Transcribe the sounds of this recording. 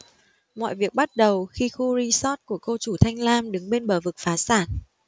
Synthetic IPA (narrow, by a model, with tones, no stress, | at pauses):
mɔ̰˧˨jvi˨˩ək̚ɓa˦˥t̚ɗə˨˩wxi˧xu˧ɾi˧sɔ˦˥t̚ku˧˩əko˧t͡ɕu˧˩t̪ʰa˧jŋ̟laː˧mɗɨ˨˦ŋɓe˧nɓəː˧˩vɨ˨˩k̚faː˨˦saː˧˩n